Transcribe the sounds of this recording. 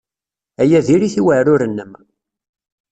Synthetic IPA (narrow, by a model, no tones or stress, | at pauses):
æjæðiɾiθiwəʕɾʊɾənːəm